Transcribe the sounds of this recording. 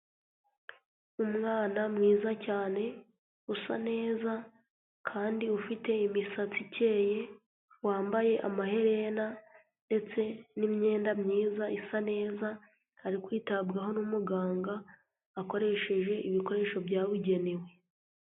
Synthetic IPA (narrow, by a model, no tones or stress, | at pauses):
umŋaːnamŋiːzacaːne̞ | usa̰ne̞ːza | kʰaːndiufite̞imisat͡sice̞ːje | waːmbaje̞ʔa̰maɦe̞ɾe̞na | nde̞t͡se̞nimɲe̞ːndamɲiːzaisane̞ːza | haɾikwiːtabɡaɦo̞numuɡaːŋɡaː | ko̞ɾe̞ʃe̞ʒe̞ʔiβiko̞ɾe̞ːʃo̞bjaːwiɟe̞newe̞